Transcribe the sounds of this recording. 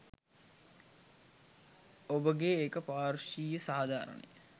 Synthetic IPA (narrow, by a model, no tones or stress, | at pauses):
obəɡeeːkəpaːrʃiːjəsaːd̪ʱaːɾə̰nḛj